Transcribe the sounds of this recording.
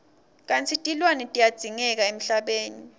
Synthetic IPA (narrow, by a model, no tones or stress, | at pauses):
k̬ʼant͡sʰitʼilwanɛtʼijad̥z̥ʱiŋɛk̬aem̩ɬaɓeːni